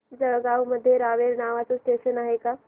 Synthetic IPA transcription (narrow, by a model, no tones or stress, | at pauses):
d͡ʒəəɡaːuməd̪ʱjeɾaːʋeɾnaːʋat͡ʃosʈeːʃənaɦeka